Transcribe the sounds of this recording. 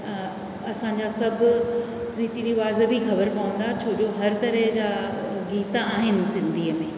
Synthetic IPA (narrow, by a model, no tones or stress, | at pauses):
ɐsãɲd͡ʑasɐbʱʊ | ɾiːt̪iɾiʋaːzbʱixɐbəɾpɐʋə̃nd̪at͡ɕʰoːd͡ʑoɦɐɾt̪ɐɾəɦd͡ʑaːɡiːt̪aːɦɪnɪ̆sɪ̃nd̪ʱiːəmẽː